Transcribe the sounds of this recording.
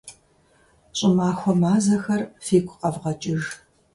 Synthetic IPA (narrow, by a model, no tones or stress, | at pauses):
ɕʼɪmaːxʷɔmaːzɐxɐrfeːkʷʰʼqɐvʁɐt͡ʃʼɪʒ